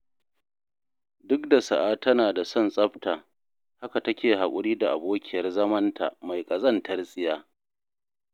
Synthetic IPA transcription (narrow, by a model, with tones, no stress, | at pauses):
dʊ˦kda˨sa̰˨ʔaː˦tɐ˦naː˨da˨sɔ˦˨nsʼɐ˦btaː˨ | ha˦ka˨tɐ˦kʲeː˨ɦa˨kʷʼʊ˦ɽiː˦da˨ʔa˨boː˦kʲɪ˦jɐ˦rzɐ˦mɐ˦ntʰa̰˨ma˨jkʼɐ˨zɐ˦˨ntʰɐ˦rsʼɪ˦jaː˦